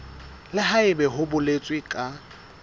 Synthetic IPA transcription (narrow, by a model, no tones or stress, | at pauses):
lɪɦaɪbɛɦʊbʊlet͡sʼwɪkʼa